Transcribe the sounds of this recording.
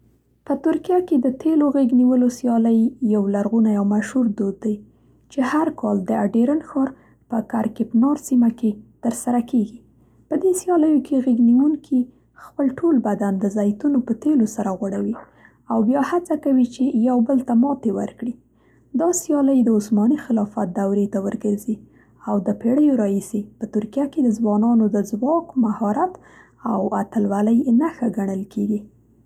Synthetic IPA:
pət̪ʊɾkijaked̪ət̪ʰeloɣeɡniwəlosjɑləjːawlaɾɣunajawmaʃhuɾd̪od̪̚ːaj | t͡ʃehaɾkɑld̪əaɖeɾanxɑɾ | pəkaɾkɪpnɑɾsimaket̪əɾsaɾakeɡi | pəd̪esjɑləjokʰeɣeɡniwuŋkʰi | xpəlʈʰolbad̪and̪əzajt̪unopət̪elosaɾaɣwaɽawi | awbjɑhat͡sakawit͡ʃejawbəlt̪amɑt̪ewə̰ɾkɽi | d̪ɑsjɑləjd̪əʊsmɑnixɪlɑfat̪̚d̪awɾet̪awəɾɡəɾzi | awd̪əpeɽəjoɾɑhisepət̪ʊɾkijaked̪əzwɑnɑnod̪əzwɑkmahɑɾat̪ | awat̪əlwaləjnaxaɡaɳəlkeɡi

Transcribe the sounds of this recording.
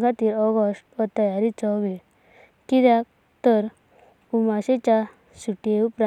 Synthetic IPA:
ɡat̪iːɾɔɡɔsʈʋɔt̪əjaɾit͡sɔʋi | kiɾjak̚ | t̪əɾ | umaɕet͡ɕa | suʈeupɾa

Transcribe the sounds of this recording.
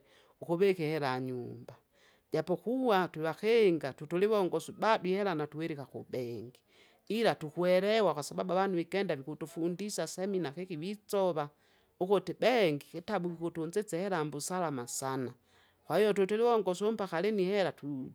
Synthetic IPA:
ukoβɛkɛhɛɾaɲumba | ɟapɔkuwatiβakeŋɡatutuliβɔŋɡɔsubadwihɛɾanatuwɛɾikakubɛŋɡi | ilatukwɛɾɛwakwasababuaβanuβikɛndaβikutufundisasɛminakekiwit͡sɔβa | ukotebɛŋɡiketabukikotund͡ʒet͡sɛhɛɾambusalamasana | kwaijɔtutuliwɔŋɡɔsompakalenihɛɾatu

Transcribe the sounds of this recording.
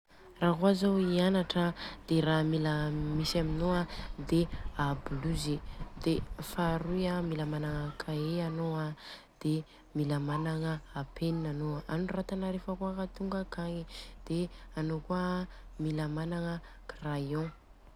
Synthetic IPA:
raɦuazawianaʈ͡ʂəd̪̥eramiləmisaminoad̪eabluzid̪efaɾujamilamanaŋəkʰaeanoa | d̪̥e | milamanaŋəapʰeninanoanurat̪anəɾefəkuakat̪uŋɡəkaɲid̪̥eanokuəmilamanaŋə | krajõ

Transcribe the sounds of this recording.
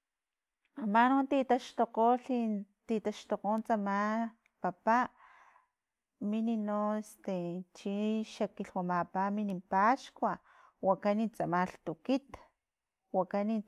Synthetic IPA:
amanont̪it̪aʃt̪oqoɬit̪it̪aʃt̪oqont͡sama | papaʔ | mininoest̪et͡ʃiʃakiɬwamapaminimpaʃkwa | wakanit͡samaɬt̪ukit̪ | wakani

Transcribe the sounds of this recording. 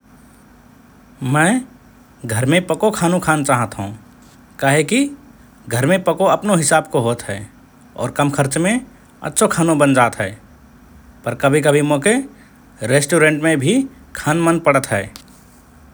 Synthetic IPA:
mɛ̃ː | ɡʱəɾmẽpəkokʰaːnũkʰaːnt͡ʃaːɦət̪ɦṵ̃ː | kaːɦeki | ɡʱəɾmẽpəkoɐpnoɦɪsaːb̚koɦoːt̪ɦɛː | ɔ̰ːɾkɐmkʰəɾt͡ʃmẽ | ə̰tːʃʰokʰaːnõbənd͡ʒaːt̪ɦɛː | pəɾkɐbʱikɐbʱimoːke | ɾeːsʈoːɾẽɳʈmẽbʱi | kʰaːnmənpəɽət̪ɦɛː

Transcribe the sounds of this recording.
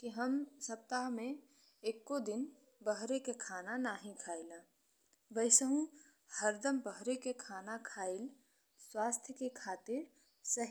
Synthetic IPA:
kiɦəmsɐp̚t̪aɦmẽ | eːkːod̪ɪn | bəɦɾekekʰaːnanaːɦĩkʰaːɪla | ʋəɪsəɦũ | həɾd̪əmbəɦɾekekʰaːnakʰaːɪl | swaːst̪ʰjəkekʰaːt̪ɪɾ | sɐɦ

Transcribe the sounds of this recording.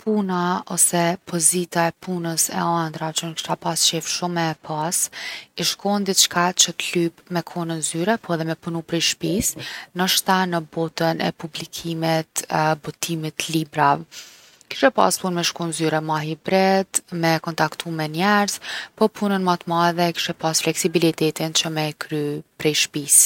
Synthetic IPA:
pʰunaɔ̰sɛpʰɔzit̪aɛpʰunəsɛ̰and̪ɾat͡ʃɔnkʃt̪apast͡ʃɛfʃumɛpʰasiʃkɔnd̪it̪t͡ʃkat͡ʃət̪lypmɛkʰɔnənzyɾɛpɔɛðɛmɛpunupɾiʃpisnəʃt̪anəbɔt̪ənɛ̰publikʰimit̪bɔt̪ʰimit̪libɾavɛ | ki̥ʃɛpa̰spunmɛʃkɔnzyɾɛmaɦibɾɛd̪mɛkɔnt̪akt̪ʰumɛnjɛɾzpɔpʰunənmat̪maɛðɛki̥ʃɛpasflɛksibilit̪ɛt̪int͡ʃəmɛkʰɾypɾɛjʃpis

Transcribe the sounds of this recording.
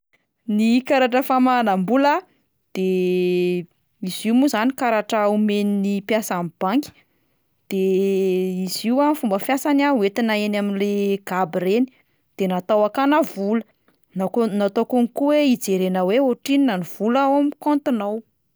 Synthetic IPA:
nikaɾaʈ͡ʂəfamanambulə | d̪̥e | iz̥iwmuzanikaɾaʈ͡ʂaumeninipjasamib̥aŋki̥ | d̪̥e | iziwafumbəfjasanauet̪inaenaminleɡ̥abiɾeni̥ | d̪̥enat̪awakanavulə | naknat̪okunikuweid͡zeɾenəweoʈ͡ʂininaniv̥ulawamkont̪inaw

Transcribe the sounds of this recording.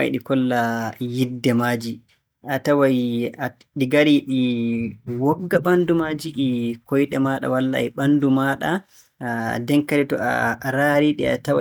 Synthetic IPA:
aj̰ɗikɔlːajidːɛmaːd͡ʒi | ʔatawaja | ɗiɡaɾiɗi | wɔɡːaɓandumaːd͡ʒiɗikɔjɗɛmaːɗa̰walːa̰ɛɓandumaɗa | dɛŋkaɾitɔa̰ɾaɾiɗia̰tawa

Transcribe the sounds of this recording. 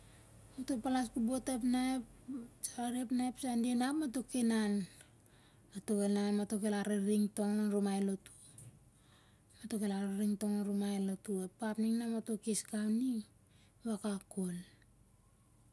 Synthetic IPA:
matopalaskubotepnaepsaɾepnajpsandienapmatokenan | atokelnamatokelaɾeɾiŋto̞ŋonɾumajlotu̥ | matokelaɾeɾiŋtoŋonɾumajlotuepapniŋnamato̞kiskawni | βakakol

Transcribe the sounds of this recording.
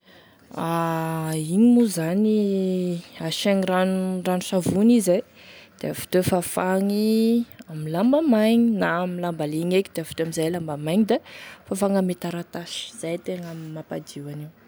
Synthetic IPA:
a | iɲimuzani | aʃaŋiɾanuranuʃavunizaj | d̪̥eafu̥t̪ofafaŋiamilambamajɲinamilambaliɲekid̪̥eavu̥t̪oamizajlambamajɲid̪afafaŋamet̪aɾat̪aʃi̥z̥ajt̪eŋammapad̪iwaniw

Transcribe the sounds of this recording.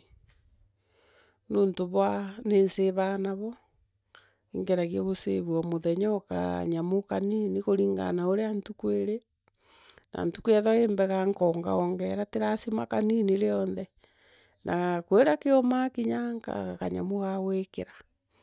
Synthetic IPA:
noːntoβwanenseβanaβɔ | eŋɡeɾaɣieɣoseβwɔmoðɛɲɔka̰ɲamokaniniɣoɾiːŋɡa̰naoɾeantukueɾe | na̰ntu̥kuɛðɔeːmbɛɣaŋkɔŋɡa̰ɔŋɡɛɾateɾasimakaniniɾeɔnðɛ | nʔakoeɾakeomakiɲaŋka̰ɣakaɲa̰moɣawekeɾḁ

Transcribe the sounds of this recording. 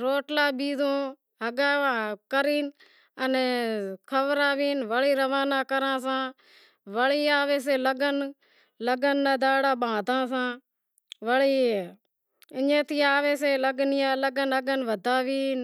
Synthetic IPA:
ɾoːʈlaːɓiːzõː | ɦəɡaːkəɾiːn | ənː | kʰəʋɾaːʋiːnʋəɭiːɾəʋaːnaːkəɾãːsãː | ʋəɭiːaːʋeːs̬eːləɡən | ləɡənːəd̪aːɽaːɓãːd̪ʱãːsãː | ʋəɭiː | ɪɲẽːt̪ʰiːaːʋeːs̬eːləɡnɪjãːləɡənəɡənʋəd̪ʱaːʋiːn

